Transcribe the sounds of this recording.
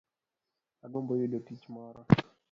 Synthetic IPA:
aɡombɔjudotit͡ʃmɔɾɔ

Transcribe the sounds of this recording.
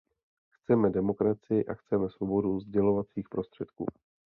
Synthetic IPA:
xt͡sɛmɛdɛmo̞kɾat͡sɪjɪʔa̰xt͡sɛmɛsvo̞bo̞duzɟɛlo̞vat͡siːxpɾo̞st̪r̝̥ɛt̪kṵː

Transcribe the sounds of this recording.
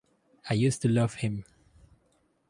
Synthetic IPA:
aɪjustulʌv̥hɪ̃m

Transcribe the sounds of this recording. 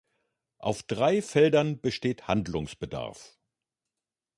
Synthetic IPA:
ʔaʊfd̥ʁaɪfɛldɐnbəʃteːthandlʊŋsb̥əda̰ɐf

